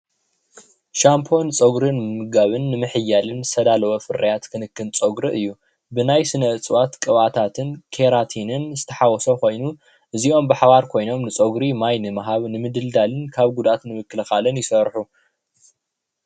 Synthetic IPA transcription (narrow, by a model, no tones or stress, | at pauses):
ʃampʰo̞nɨt͡sʼɐɡɾɨnmɨɡaβɨnːɨmɨħɨjːalɨnsɐd̪alɐwofɨɾɐjat̪kʰɨnɨkːɨnt͡sʼoɡɾɨʔɨjːu | bɨnajsɨnɐɨt͡sʼɨwat̪kʼɨβat̪ʰat̪ʰɨnkʰeɾat̪ʰinɨnzɨt̪ʰɐħawɔsoko̞jnu | ʔɨziʔo̞mbɨħaβaɾkʰo̞jno̞mnɨt͡sʼɐɡɾimajnɨmaɦaβnɨmɨd̪ɨld̪alɨnkʰaβɡud̪ʔat̪nɨmɨkːɨlɨxalɨnjɪsɐɾħu